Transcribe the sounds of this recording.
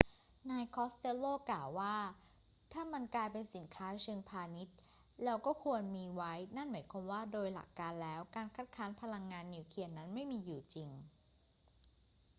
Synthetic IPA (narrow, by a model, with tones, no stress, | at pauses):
naː˧jkʰɔː˦˥st̪e˦˥loː˥˩klaː˨˩wːaː˥˩ | t̪ʰaː˥˩ma˧nklaː˧jpe˧nsi˩˦nkʰaː˦˥t͡ɕʰɯ˧ŋpʰaː˧ni˦˥t̪̚ | lɛː˦˥wkɔː˥˩kʰu˧ənmiː˧wa˦˥jna˥˩nmaː˩˦jkʰwa˧mwaː˥˩doː˧jla̰˨˩kːaː˧nlɛː˦˥wkaː˧nkʰa˦˥t̪̚kʰaː˦˥npʰa˧la˧ŋːaː˧nːi˧wkʰi˧˩əna˦˥nma˥˩jmiː˧juː˨˩t͡ɕi˧ŋ